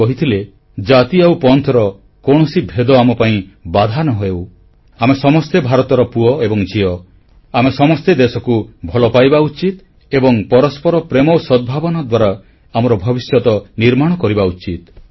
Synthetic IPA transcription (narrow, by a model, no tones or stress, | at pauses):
ɔɦit̪ʰile | d͡ʒat̪iawpɔnt̪ʰɔɾɔ | koɽ̃ɔsibʱed̪ɔamɔpaĩbad̪ʱanɔɦɔew | amesɔmɔst̪ebʱaɾɔt̪ɔɾɔpuɔebɔŋd͡ʒiɔ | amesɔmɔst̪ed̪esɔkubʱɔlɔpajbaut͡ʃit̪ | ebɔŋpɔɾɔspɔɾɔpɾemɔwsɔd̪̚bʱabɔnad̪waɾa | amɔɾɔbʱɔbisjɔt̪ɔniɾmaɽ̃ɔkɔɾibaut͡ʃit̪̚